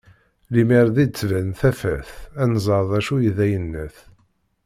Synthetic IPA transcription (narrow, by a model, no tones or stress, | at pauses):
limiɾðid̪t͡sːvænθæfæ̰θænzˤəɾˤðˤæʃujiðæjənːæθ